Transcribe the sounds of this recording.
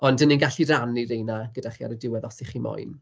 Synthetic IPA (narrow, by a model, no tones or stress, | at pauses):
ɔndəninɡaɬiraniɾejnaɡədaχia̰ɾədɪwɛðɔsɪχimɔ̰jn